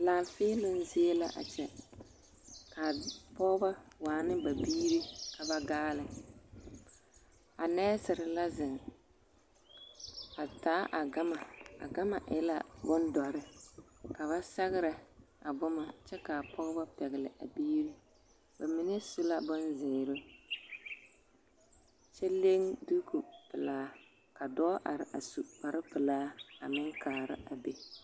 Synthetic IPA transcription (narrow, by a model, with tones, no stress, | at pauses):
laː˨lfɪː˦lʊ˦n˦zɪ˦e˦la˦ʔa̰˨t͡ʃɛ˨ | ka˨pɔ˦ɣba˦waː˨nɨ˦ba˨biː˦ɾi˦ka˨ba˦ɡaː˦lɨ˦ | a˨nɛ˦sɪ˨ɾɪ˨la˦zɪ˨ŋ | a˨taː˨˦ʔa˨ɡa˦ma˨a̰˨ɡa˦ma˨ʔɪ̰˦la̰˦bʊ˦ndɔ˨ɾɪ˦ka˨βa˦sa˦ɣɪ˦ɾɨ˨a˨bʊ˦ma˦t͡ʃɛ˦ka˨pʰɔ˦ɣba˦pɛ˨ɣɪ˨lɪ˨ʔa̰˨biː˦ɾi˦ | ba˨mɪ˨nɛ˦sʊ˦la˦bʊ˦nzɪː˨ɾɪ˦ | t͡ʃɛ˦le˦ŋdu˦ku˨pɨ˨laː˦ | ka˨dɔ˦ʔa˨ɾɪ˨ʔa̰˨su˨pa˨ɾɨ˦pɨ˨laː˦a˨mɪ˦ŋkʰaː˨ɾɪ̰˦ʔa˨be˨